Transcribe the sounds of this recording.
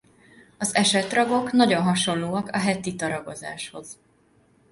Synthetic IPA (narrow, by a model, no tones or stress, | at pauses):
ɒzɛʃɛt̪rɒɡo̞knɒɟonɦɒʃo̞nloːɒkɒɦɛt̪it̪ɒɾɒɡo̞̰za̰ːʃho̞̰z̥